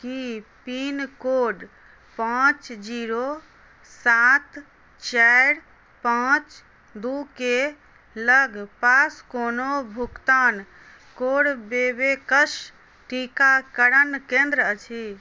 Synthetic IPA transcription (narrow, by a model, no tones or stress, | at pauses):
kipinkoːɖ | pãːt͡ʃd͡ʒiːɾo | sat̪ | t͡ʃɛɽ | pãːt͡ʃ | d̪uke | ləɡpaːskoːnobʱukt̪aːn | koːɽbeːbekəʃ | ʈikakəɾənkẽːnd̪ɾəət͡ʃʰi